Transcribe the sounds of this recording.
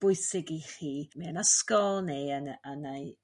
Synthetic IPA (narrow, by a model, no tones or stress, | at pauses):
b̥ʊɨsɪɡiχiːmiənəskɔlˠneənənaj